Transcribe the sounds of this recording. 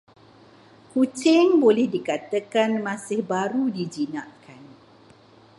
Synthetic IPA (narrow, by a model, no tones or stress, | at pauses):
kut͡ʃɪŋbolɛhdikat̪əkanmãsɪhbaɾudid͡ʒinãʔkʰan